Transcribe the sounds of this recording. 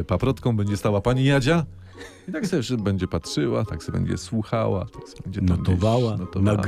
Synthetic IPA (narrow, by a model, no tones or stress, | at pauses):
papɾɔt̪kɔ̃w̃bɛɲd͡ʑɛst̪awapaɲijad͡ʑa | it̪aksɛɛfʂbɛɲd͡ʑɛpatʂɘwat̪aksɛbɛ̰ɲd͡ʑɛ̰swuxa̰wa̰t̪aksɛ̥bɛɲd͡ʑɛnɔmɔɔvawanɔt̪ɔnaɡ